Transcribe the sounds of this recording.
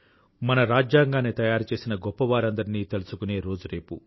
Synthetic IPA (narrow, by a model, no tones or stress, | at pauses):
mɐnɐɾaːd͡ʒjaːŋɡaːnet̪ɐjaːɾut͡ʃe̞ːsinɐɡɔpːɐʋaːɾɐnd̪ɐɾiniːt̪e̞lusukune̞ːɾo̞ːd͡ʒuɾe̞ːpu